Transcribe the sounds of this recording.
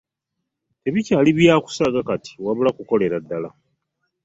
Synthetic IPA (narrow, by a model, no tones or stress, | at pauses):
e̞βicaːliβjaːku̥saɡakati̥waβulakuko̞le̞ɾadːala